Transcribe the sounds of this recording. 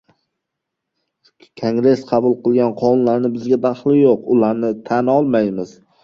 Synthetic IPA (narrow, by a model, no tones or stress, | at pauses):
kʰoŋɡɾe̞sqʰɑbʊlˠqɨlˠɡʲanqʰɒʊnlaɾnɪbɪzɡʲad̪aχlˠɪjoqʊlaɾnɪt̪ʰanɒlˠmajmɪz̥